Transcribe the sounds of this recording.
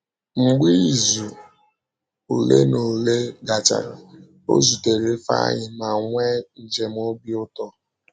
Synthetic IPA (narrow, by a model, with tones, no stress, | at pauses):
ŋ͡m̩˨ɡ͡bi˦˨zu˨ | o˨lḛ˦no˨le˦ɡa˨t͡ʃa̰˨ɾa̰˨ | o̰˦zu˨te˨ɾe˦fa̰˦a̰˦ɲɪ˨ma˨ŋʷe˦n̩˨d͡ʒe˨m˦o˦bi˦ʊ˦tɔ˦